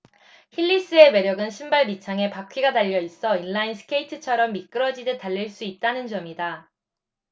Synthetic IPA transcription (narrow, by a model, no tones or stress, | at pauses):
çiʎːis͈ɯe̞me̞ɾjʌɡɯnɕʰimbaɭmit͡ɕʰaŋe̞pakʰiɡadaʎːʌis͈ʌinːainsʰɯ̥kʰeitʰɯt͡ɕʰʌɾʌmːik͈ɯɾʌd͡ʑidetaʎːiɭs͈uit̚t͈anɯnd͡ʑʌmida